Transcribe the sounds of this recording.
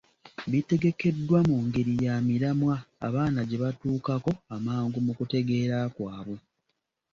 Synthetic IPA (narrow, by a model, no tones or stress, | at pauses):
βite̞ɡe̞ke̞dːwamuːŋɡe̞ɾijaːmiɾamwa̰ːβaːnaɟe̞βatuːkako̞amaːŋɡumukute̞ɡe̞ːɾakwaːβwu